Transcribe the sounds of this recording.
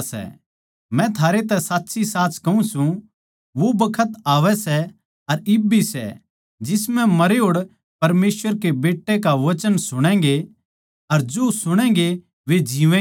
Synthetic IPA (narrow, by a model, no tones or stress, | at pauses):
sɛ̰ | mɛ̃t̪ʰaːɾet̪ɛsaːtːsʰisaːt͡ʃkɐũsũ | ʋobɐkʰət̪aːʋɛsɛ | ɐɾɪbʱisɛ̰ | d͡ʒɪsmɛ̃mɐɾeɦoːɽ | pɐɾmeːsʋəɾkebeːʈːekaʋɐt͡ʃənsʊɽ̃ɛ̃̆ːɡe | ɐɾd͡ʒosʊɽ̃ɛ̃ːɡe | ʋed͡ʒiːʋɛ̃ː